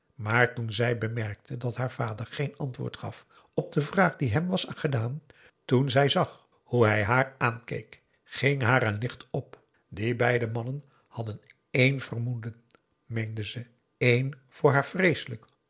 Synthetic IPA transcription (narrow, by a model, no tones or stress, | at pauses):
maːɹtunzɛjbəmɛɹk̚tʰədɑtɦaːɹv̥aːdəɹχejnɑntʋʊ̰ːɹtχɑ̰f | ɔb̚dəvraːχdiɦɛmʋɑsχədaːn | tunzɛjzɑχ | huɦɛjɦaːɹaːnkḛjk | χɪŋɦaːɾənlɪχtɔp | dibɛjdəmɑnən | hɑdən | ejnv̥ərmudən | mejndəzə | ejnv̥ʊːɹɦaːɹvrejsələk